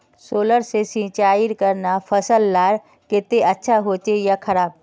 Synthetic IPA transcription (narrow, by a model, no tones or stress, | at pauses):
soːləɾsesĩːt͡ʃaːiɾkəɾnafʰɐsəlːaːɾ | kɪt̪eʔɐtːʃʰaɦoːt͡ʃejakʰɐɾaːb̚